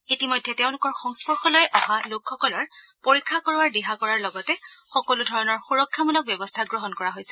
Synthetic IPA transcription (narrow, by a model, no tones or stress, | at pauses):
itimɔjdʱːɛteʊ̃lʊkɔɹxɔŋspɔɹxɔlɔjʔɔhalokʰxɔkɔlɔɹpoɹikʰːakoɹwaɹdiɦakɔɹaɹlɔɡɔtɛxɔkɔludʱɔɹɔnɔɹxuɹɔkʰːamɔnɔk̚bjɛbɔstʰaɡɹɔɦɔnkɔɹaɦojsɛ̥